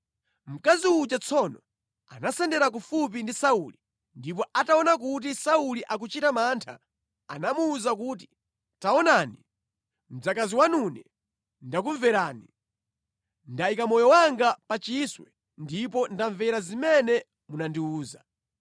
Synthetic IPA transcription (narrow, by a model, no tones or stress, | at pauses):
m̩kaziut͡ʃat͡sʰɔnɔ | a̰nasɛndɛɾak̬ufup̬indisauli | ndip̬ɔʔataɔnak̬ut̬isauliʔak̬ut͡ʃitamaːntʰa̰ | a̰namuːzak̬uːt̬i̥ | taɔnaːni | m̩d͡zakaziwanunɛ | ndak̬uɱvɛɾaːni | ndaikamɔjɔwaŋɡapat͡ʃiswɛ | ndip̬ɔndaɱvɛɾazimɛnɛ | munandiuːza